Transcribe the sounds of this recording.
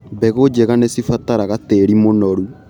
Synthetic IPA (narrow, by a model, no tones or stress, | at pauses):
bɛɣod͡ʒɛɣanesifat̪aɾaɣateɾimonɔɾu